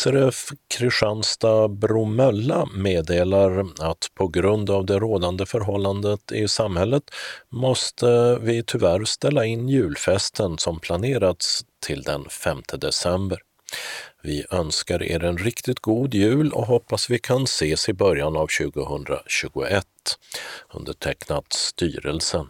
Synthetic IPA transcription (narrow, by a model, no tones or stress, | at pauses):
sæɾɛfkʰɾɪʂanst̪abɾʊmœlːameːd̪eːlaɾat̪pʰɔɡɾɵnd̪avd̪ɛɾoːd̪and̪əfœɾɦɔlːand̪ət̪ɪsamhɛlːət̪mɔst̪ʰəvɪt̪ʰʏvæɾst̪ɛlːaɪnːjʉ̟ːlfɛst̪ʰənsɔmpʰlaneːɾat̪st̪ʰɪld̪ɛnfɛmt̪ʰəd̪ɛsɛmbəɾ | vɪʔœnskaɾḛːɾɛnɾɪkt̪ɪt̪̚ɡuːd̪jʉ̟ːlɔ̰ɦɔpːasvɪkʰanseːsɪbœɾjanavɕʉ̟ːɡʊhɵnd̪ɾa̰ɕʉ̟ːɡʊ̰ʔɛt̪ː | ɵ̰nd̪əʈʰɛknat̪st̪y̰ːɾəlsən